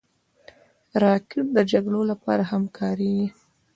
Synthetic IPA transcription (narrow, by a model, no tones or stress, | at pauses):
ɾɑkɪʈ̚d̪əd͡ʒaɡlolapɑ̰ɾahamkʰɑɾiɡi